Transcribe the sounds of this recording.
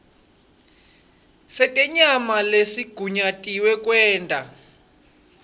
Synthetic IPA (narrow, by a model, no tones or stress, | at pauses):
sɛtʼɛɲamalesiɡ̥ʱuɲatʼiwɛk̬ʼwɛːntʼa